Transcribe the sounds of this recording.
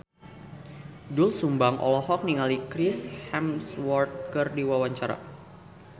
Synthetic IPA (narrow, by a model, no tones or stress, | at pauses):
dʊlsumbaŋʔɔ̰lɔhɔk̚niŋalikɾɪshɛmswɔrt̪̚kərdiwawaɲt͡ʃaɾa̰